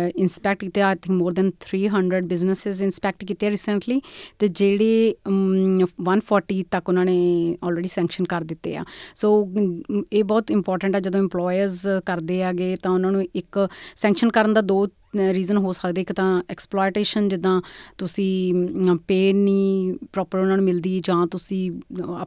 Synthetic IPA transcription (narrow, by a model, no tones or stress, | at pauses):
ɪnspɛːk̚ʈkiːt̪ːeːaːt̪ʰɪ̃ŋkmoːɾd̪ɛːnt̪ʰɾiːɦəɳɖɾəɖbɪznəsɪzɪnspɛːk̚ʈkiːt̪eːɾiːsəɳʈliːt̪eːd͡ʒeːɽeː | ʋənpʰɔːɾʈiːt̪əkʊnãːneːɔːlɾeːɖiːsɛ̃ːŋkʃənkəɾd̪ɪt̪ːḛːa̰ːsoː | eːbɔːt̪ɪmpɔːɾʈə̃ɳʈɛːd͡ʒəd̪õːɪ̃mplɔːjəɾzkəɾd̪eːaːɡeːt̪ãːʊnãːnũːɪksɛ̃ːŋkʃənkəɾənd̪aːd̪oː | ɾiːzənɦoːsəkd̪eːɪkt̪ãːɛːksplɔːɪʈeːʃənd͡ʒɪd̪ãːt̪ʊsĩːpeːnːĩːpɾɔːpəɾʊnãːnũːmɪld̪iːd͡ʒãːt̪ʊsĩː